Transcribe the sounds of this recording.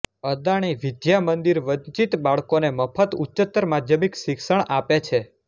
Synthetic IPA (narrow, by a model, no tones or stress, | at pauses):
əd̪aɽ̃iʋid̪jamənd̪iɾʋəɲt͡ʃit̪baɭkoneməpʰət̪utːt͡ʃət̪ːəɾmad̪jəmikʃikʃəɳ̃ʔapet͡ʃʰe